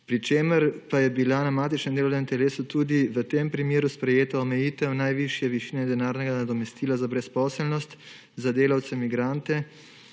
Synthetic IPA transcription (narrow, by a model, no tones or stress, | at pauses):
pɾit͡ʃeːməɾpajɛbilanamaːt̪it͡ʃnɛmd̪eːlɐwnɛmt̪ɛleːsut̪uːd̪iʋət̪empɾimeːɾuspɾɛjeːt̪aɔmɛjiːt̪ɛwnajʋiʃjɛʋiʃiːnɛd̪ɛnaːɾnɛɡanad̪ɔmɛst̪iːlazabɾɛspɔːsɛlnɔst̪ | zad̪eːlawt̪sɛmiɡɾant̪ɛ